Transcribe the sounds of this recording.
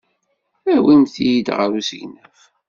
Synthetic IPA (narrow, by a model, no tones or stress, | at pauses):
æwinθijid̪ʁəɾusəʝnəf